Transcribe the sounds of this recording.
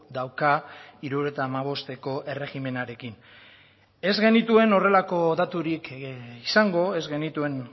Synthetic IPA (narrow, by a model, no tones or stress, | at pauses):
d̪awkaiɾuɾot̪aːmaβ̞o̞st̪e̞ko̞ʔe̞re̞ɣime̞naɾe̞kin | e̞zɣe̞nit̪ue̞no̞re̞lako̞ðat̪uɾikisaŋɡo̞e̞zɣe̞nit̪ue̞n